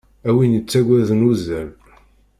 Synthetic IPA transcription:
æwinət͡sːæɡʷæðənuzæl

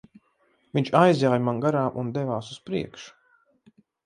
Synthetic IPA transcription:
viɲʲt͡ʃajzʲjaːjmanɡaɾaːʔund̪ɛvaːsuspɾiɛkʃu̥

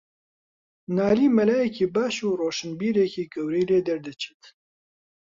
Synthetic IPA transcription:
naːliːmɐlaːjɛkiːbaːʃuːroːʃɨnbiːɾekiːɡɐwɾiːleːd̪ɐɾd̪ɨt͡ʃʰɨt̪

